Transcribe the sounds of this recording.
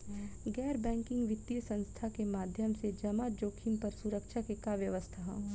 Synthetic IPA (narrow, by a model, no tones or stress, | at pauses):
ɡɛːɾbɛ̃ːŋkɪ̃ŋɡʋɪt̪ːijəsə̃nst̪ʰakemaːd̪ʱjəmsed͡ʒɐmad͡ʒoːkʰiːnpɐɾsuɾəkʃʰakekaʋjəʋəst̪ʰaɦɛ̰̃